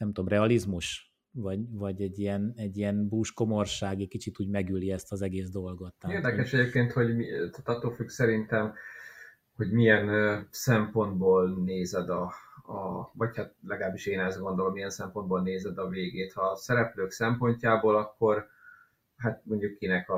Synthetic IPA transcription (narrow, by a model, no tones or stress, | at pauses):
nɛmt̪uomrɛɒlizmuʃ | vɒɟvɒɟɛɟːijɛnɛɟːijɛnbuːʃko̞morʃaːɡikit͡ʃit̪uːɟmɛɡyliɛst̪ɒzɛɡeːzd̪o̞lɡo̞t̪ːaeːrd̪ɛkɛʃɛɟeːpkeːnt̪ho̞ɟmit̪aːt̪ɒt̪ːoːlfyɡsɛɾint̪ɛm | ho̞ɟmijɛnsɛmpo̞nd̪̚boːlneːzɛd̪ɒɒ̰vɒchat̪̚lɛɡɒlaːbːiʃeːnɛzɡo̞nd̪o̞lomijɛnsɛmpo̞nd̪̚boːlneːzɛd̪ɒveːɡeːt̪hɒsɛɾɛpløːksɛmpo̞ɲcaːboːlɒkːo̞r | ɦat̪mo̞ɲɟukːinɛkɒ